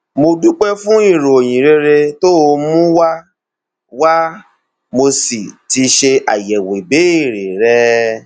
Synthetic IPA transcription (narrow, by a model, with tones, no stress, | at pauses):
mo˧du˦k͡pɛ˦fũ˦i˦˨ɾo˨o˨j̃ĩ˨ɾe˧ɾe˧to˦o˧mũ˦wa˦ | wa˦ | mo˧si˨ti˧ʃe˧a̰˨jɛ˨we˨be˨˦i˦˨ɾe˨ɾɛ˦